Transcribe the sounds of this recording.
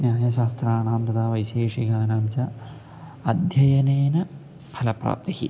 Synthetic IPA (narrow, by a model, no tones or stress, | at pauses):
njaːjɐʃaːst̪ɾaːnaːmt̪ɐd̪aːʋɐjʃeːʂiɡaːnaːmt͡ʃɐ | ɐd̪ʱjɐjɐneːnɐ | pʰɐlɐpɾa̰ːp̚t̪ihḭ